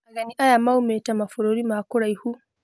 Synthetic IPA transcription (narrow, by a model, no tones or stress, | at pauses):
ʔaɡaniʔajamawumeːtamafʊɾoːɾimaːkʊɾajhu